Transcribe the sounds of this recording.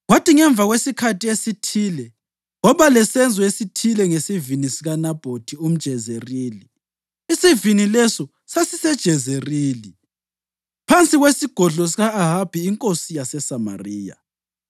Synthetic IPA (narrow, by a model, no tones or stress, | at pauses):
ɣwatiŋɛɱb̪vʱaɣwesikʰatʰʼiesitʰilɛ | ɔβalɛsɛnd͡zʱɔesitʰilɛŋesivinisiɣanab̥ʱotʰium̩d̥ʒ̥ʱɛzeriːli | isivinilɛsɔ | sasisɛd̥ʒ̥ʱɛzeriːli | pʰant͡sʼiɣwesiɡ̥ʱɔɮɔs̬iɣaaɦab̥ʱiːŋkʼosijasɛsama̰riːja̰